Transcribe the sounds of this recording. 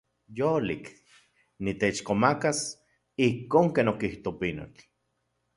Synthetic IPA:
jolik | nit̪et͡ʃkomakas | ihkoːŋkeːnokiht̪opino̰t͡ɬ

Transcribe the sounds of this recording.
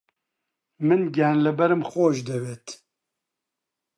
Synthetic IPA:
mɨnɡɛːnlɨbɛɾɨmxoːʒd̪ɛweːt̪

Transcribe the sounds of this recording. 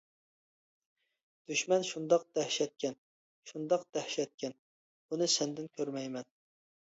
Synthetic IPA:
d̪̥yʃmɛnʃund̪ɑq̚d̪̥ɛhʃɛt̪̚kʲɛn | ʃund̪ɑqd̪̥ɛhʃɛt̪̚kʲʰɛn | bunɨsɛnd̪ɪnkʲʰøɾmɛjmɛn

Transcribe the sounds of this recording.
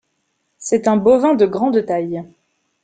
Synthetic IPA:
sɛt̪ɛ̃bovɛ̃d̪əɡʁɑ̃d̪t̪aj

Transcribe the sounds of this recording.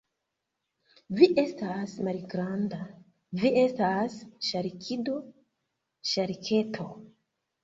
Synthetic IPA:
viʔe̞stasmalɡɾanda | vie̞stasʃaɾikʰido̞ | ʃaɾikʰe̞tʰo̞

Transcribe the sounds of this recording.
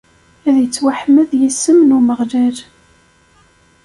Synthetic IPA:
æðjət͡sːwaħməðjəsəmnuməʁlæɾ

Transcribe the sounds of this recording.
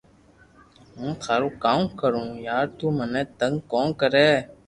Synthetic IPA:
ɦũːt̪ʰaːɾũːkaːũkəɾũːjaːɾt̪uːmənẽːt̪əŋɡkõːnkəɾeː

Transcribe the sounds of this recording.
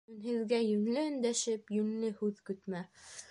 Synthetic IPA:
nhɘ̆ðɡæjɵ̆nlɘɵ̆nd̪æʃɘpjɵnlɘhʉðkɵ̆t̪mæ

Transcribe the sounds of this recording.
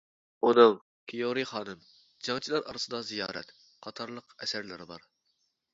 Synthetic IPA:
unɨŋ | kʲʰijoɾiχɑːnɨm | d͡ʒɑŋt͡ʃʰilˠɑɾʔɑ̰ɾɨsɨd̪ɑzijɑ̰ːɾɛ̰t̪ | qʰɑt̪ʰɑɾlˠəqɛsæɾlɪ̰ɾɪbɑ̰ɾ

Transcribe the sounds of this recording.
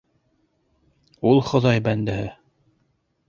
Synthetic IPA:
ulˠχŏðɑjbænd̪ɘ̆ɦɘ

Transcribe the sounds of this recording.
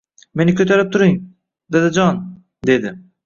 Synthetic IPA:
me̞nɪkʲʰøt̪ʰaɾɪp̚t̪ʰuɾim | d̪ed̪ɪd͡ʒɒn | d̪ed̪ɪ

